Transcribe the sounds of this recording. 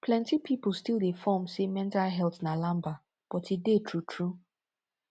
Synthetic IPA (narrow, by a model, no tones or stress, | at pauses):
pʰlɛ̃ntipʰipl̩ˠstilˠdefɔmsemɛ̃ntalɦɛlˠtnalãmba | b̥ɔtidetʰɹutʰɹu